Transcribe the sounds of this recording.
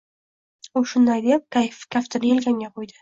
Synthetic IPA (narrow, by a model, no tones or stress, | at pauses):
ʊʃʊnd̪ajd̪ep̚kkʲʰaft̪ɪnɪelɡʲaŋɡʲaqʰojd̪ɪ̥